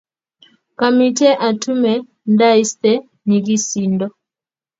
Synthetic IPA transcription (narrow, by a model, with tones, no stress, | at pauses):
ka˨mi˨tɛ˦ʔa˨tu˦mɛ˨ | nda˦i˦stɛ˦ | ni˨ki˦si˨ndɔ˨